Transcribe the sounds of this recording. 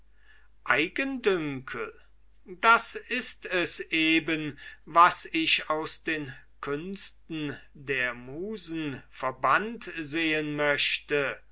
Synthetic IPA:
ʔaɪɡəndʏŋkʰl | dasɪstɛsʔeːbənvasɪɕaʊsd̥eːnkʰʏnstn̩ | deːɐmuːzn̩fɛɐbantzeːənmœɕtə

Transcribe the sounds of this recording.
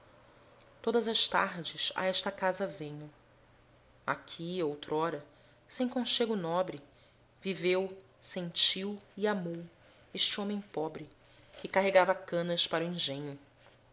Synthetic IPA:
t̪od̪ɐzɐʃt̪a̰ɾd͡ʒɪsa̰ɛʃt̪ɐkazɐvẽɲʊ | a̰kʲʰiowt̪ɾɔɾɐ | sẽj̃kõʃeɡʊnɔbɾɪ | vivew | sẽnt͡ʃiwiamow | eʃt͡ʃɪõmẽpɔbɾɪ | kɪkaɦeɡavɐkɐ̃nɐspaɾʊĩŋʒẽɲʊ

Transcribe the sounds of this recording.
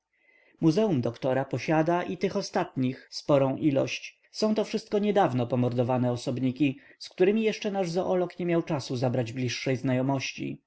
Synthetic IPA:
muzɛumd̪ɔkt̪ɔɾapɔɕad̪aʔit̪ɘxɔst̪at̪ɲixspɔɾɔ̃w̃ʔilɔ̰ɕt͡ɕ | sɔ̃w̃t̪ɔfʂɘst̪̚kɔɲɛd̪avnɔpɔmɔɾd̪ɔvanɛɔsɔbɲikʲiskt̪uɾɘmʲijɛʂt͡ʂɛnaʐzɔʔɔlɔkɲɛmʲjawt͡ʂasuzabɾad͡ʑblʲiʂːɛjznajɔmɔɕt͡ɕḭ

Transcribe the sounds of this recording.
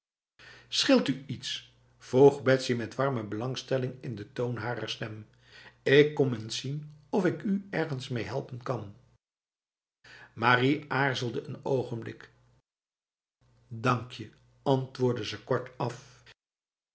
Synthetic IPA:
sχɪlˠtyits | v̥owχbɛtsimɛtʋɑɹməbəlɑŋstɛlɪŋɪndətownɦaːɾə̰ɹstɛm | ɪkːɔmənsinɔfɪkyɛɹχənsmejɦɛlˠpənkɑn | maːriʔaːɹzəlˠdəənowχənblɪ̰k | dɑŋkjə | ɑntʋʊːɹdəzəkɔɹtɑf

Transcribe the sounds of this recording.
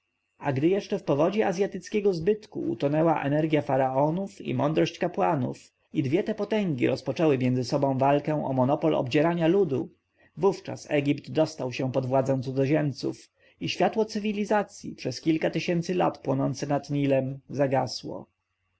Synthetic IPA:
aɡd̪ɘjɛʂt͡ʂɛfpɔvɔd͡ʑɛazʲjat̪ɘt̪skʲɛɡɔzbɘt̪kṵʔṵt̪ɔnɛwaʔɛ̰nɛɾɡʲjafaɾaɔnufḭmɔnd̪ɾɔɕt͡ɕkapwanṵf | id̪vʲjɛt̪ɛpɔt̪ɛŋɡʲḭɾɔspɔt͡ʂɛwɘmʲjɛndzɘsɔbɔ̃w̃valkɛ̃w̃ɔ̰mɔnɔpɔlɔ̰bd͡ʑɛɾaɲalud̪u | vuft͡ʂa̰sɛ̰ɡʲipt̪d̪ɔst̪awɕɛ̃pɔd̪vwad̪zaɛ̃t̪sud̪zɔʑɛmt̪sṵf | iɕfʲjat̪wɔt̪sɘvʲilʲizat̪sʲjipʂɛskʲilkat̪ɘɕɛnt̪sɘla̰t̪pwɔnɔnt̪sɛnat̪ɲilɛmzaɡaswɔ̰

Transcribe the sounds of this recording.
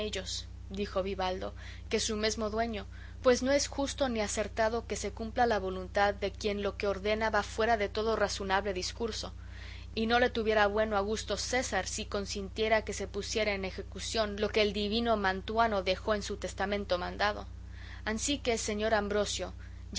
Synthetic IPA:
eʝos | d̪ixo̞βiβald̪o̞ | ke̞sume̞zmo̞ðwe̞ɲo | pwe̞zno̞e̞sxust̪o̞niase̞ɾt̪að̞o̞ke̞se̞kumplalaβo̞lunt̪aðːe̞kje̞nlo̞ke̞oɾðe̞naβafwe̞ɾaðe̞t̪o̞ðoraso̞naβle̞ðiskuɾso̞ | ino̞le̞t̪uβje̞ɾaβwe̞noaɣ̞ust̪o̞se̞saɾsiko̞nsint̪je̞ɾake̞se̞pusje̞ɾaene̞xe̞kusjo̞nlo̞ke̞ːld̪iβino̞mãnt̪wano̞ðe̞xo̞ensut̪e̞st̪amẽnt̪o̞mãnd̪aðo̞̰ | ansike̞ːse̞ɲo̞ɾambɾo̞sjo̞

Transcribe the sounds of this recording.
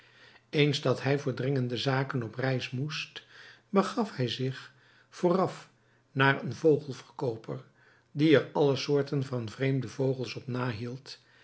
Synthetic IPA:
ejnzdɑtɦɛjvʊːɹdrɪŋəndəzaːkənɔprɛjsmust | bəχɑfhɛjzɪχ | foːrɑf | naːɹənvowχəlˠvərkowpʰəɹ | diɛɹɑləsʊːɹtənvɑnvrejmdəvowχəlˠsɔpnaːɦilˠt

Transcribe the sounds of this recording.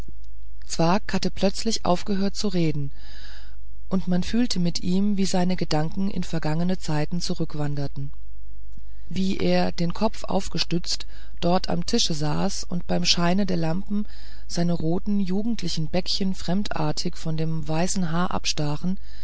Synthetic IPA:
t͡sv̥aɐkhatəpl̥œt͡slɪçʔa̰ʊfɡ̥əɦøːɐt̚t͡suʁeːdn̩ | ʔʊntmanfyːltʰəmɪtʔiːmviːzaɪnəɡədaŋkŋ̩ʔɪ̰nfɛɐɡaŋənət͡saɪtn̩t͡suʁʏkv̥andɐtn̩ | viːʔeːɐdeːnkʰɔfʔa̰ʊfɡ̥əʃtʏt͡st | d̥ɔɐtʰa̰mtʰɪʃəzaːsʊntb̥aɪmʃaɪnədeːɐlampm̩ | z̥aɪnəʁoːtn̩juːɡŋ̩tʰlɪçn̩bɛkçənfʁ̥ɛmtʔa̰ɐtʰɪçfɔndeːmvaɪsn̩ɦaːɐʔa̰pʃtaːʁn̩

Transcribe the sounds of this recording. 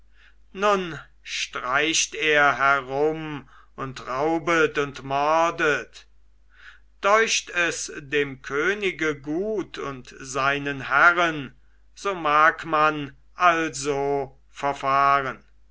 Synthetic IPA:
nʊn | ʃtʁ̥aɪʃteːɐɦɛʁʊm | ʊntʁaʊbətʊntmɔʁdət | d̥ɔʏʃtɛsdeːmkʰøːnɪɡəɡuːtʰʊntz̥aɪnənhæʁən | z̥oːmaːkman | ʔalzoː | fɛɐfaːʁən

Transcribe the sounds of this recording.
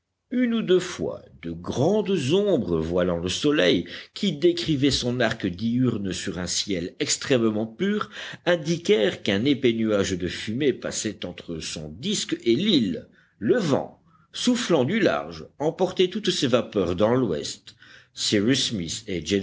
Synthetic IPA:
ynud̪øfwa̰d̪əɡʁɑ̃d̪zɔ̃bʁəvwalɑ̃ləsɔlɛjkʰʲid̪ekχivɛsɔ̃naʁkəd̪iyʁnsyʁɛ̃sjɛlɛkst̪χɛmmɑ̃pyʁɛ̃d̪ikʲɛʁkɛ̃nepenyaʒd̪əfymepa̰sɛt̪ɑ̃t̪χəsɔ̰̃d̪iskelilː | əvɑ̰̃ | suflɑ̃d̪yla̰ʁʒɑ̃pɔʁt̪ɛt̪ut̪sevapœʁd̪ɑ̃lwɛ̰st̪siʁismised͡ʒe

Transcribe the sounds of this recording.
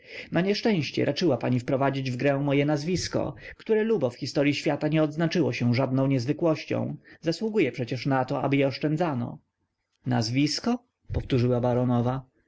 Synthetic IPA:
naɲɛʂt͡ʂɛ̃w̃ɕt͡ɕɛ̰ɾʔat͡ʂɘwapaɲifpɾɔvad͡ʑid͡ʑvɡɾɛw̃mɔjɛnazvʲiskɔ̰kt̪uɾɛlubɔfxʲist̪ɔɾʲjiɕfʲjat̪aɲɛɔd̪znat͡ʂɘwɔɕɛ̃ʐad̪nɔ̃w̃ɲɛzvɘkwɔɕt͡ɕɔ̰̃w̃zaswuɡujɛpʂɛt͡ɕɛʂnat̪ɔa̰bɘjɛɔʂt͡ʂɛnd̪zanɔ̰ | nazvʲiskɔ | pɔft̪uʐɘwabaɾɔnɔva

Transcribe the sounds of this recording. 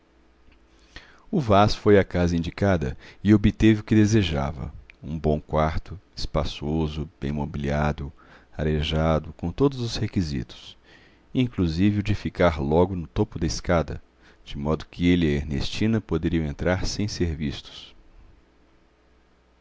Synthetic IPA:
ʊvasfojɐkazɐĩnd͡ʒikad̪ɐ̰ɪobɪt̪evɪʊkɪd̪ezeʒa̰vɐ̰ũbõw̃kwaɾt̪ʊɪspasozʊb̥ẽj̃mobiliad̪ʊ | aɾeʒad̪ʊkõt̪od̪ʊzʊshekizḭt̪ʊ̥s | ĩŋkluzivɪʊd͡ʒɪfikaɾlɔɡʊnʊt̪opʊd̪ɐɪskad̪ɐ̰ | d͡ʒɪmɔd̪ʊkʰɪelieɾnḛst͡ʃĩnɐpod̪eɾiɐ̃w̃ẽnt̪ɾaɾsẽj̃seɾvist̪ʊ̥s

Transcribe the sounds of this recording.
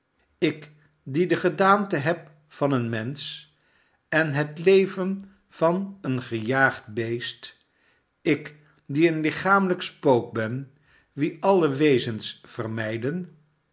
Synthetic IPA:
ɪk | didəχədaːntəɦɛp̚ | fɑnənmɛns | ɛnɦətlejvən | v̥ɑnənχəjaːχd̚bejst | ɪk | diənlɪχaːmələkspowk̚bɛn | ʋiʔɑləʋejzənsfərmɛjdən

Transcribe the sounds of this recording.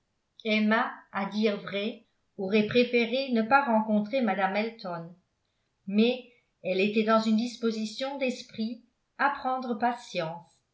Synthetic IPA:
ɛmaad̪iʁvʁɛ | oʁɛpχefeʁenəpaʁɑ̃kɔ̃t̪χemad̪amɛlt̪ɔn | mɛ | ɛlet̪ɛd̪ɑ̃zynd̪ispozisjɔ̃d̪ɛspχi | apχɑ̃d̪ʁəpasjɑ̃s

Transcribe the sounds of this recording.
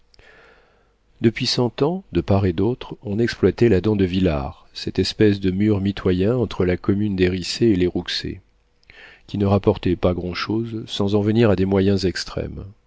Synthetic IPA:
d̪əpɥisɑ̃t̪ɑ̃d̪əpaʁed̪ot̪χɔ̃nɛksplwat̪ɛlad̪ɑ̃d̪əvila̰ʁ | sɛt̪ɛspɛsd̪əmyʁmit̪wajɛ̃ɑ̃t̪χəlakɔmynd̪eʁiseːleʁuksḛ | kʲinəʁapɔʁt̪ɛpaɡʁɑ̃ʃozsɑ̃zɑ̃vəniʁad̪emwajɛ̃zɛkst̪χɛ̰m

